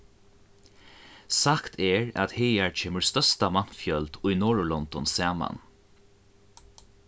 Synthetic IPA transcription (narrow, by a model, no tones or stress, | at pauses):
sakt̪ʰɛɹa̰t̪hɛːjaɹt͡ʃʰeːməɹst̪œst̪aman̥fjœlt̪ʊjnɔːɹlɔnt̪ɔnsæːma̰n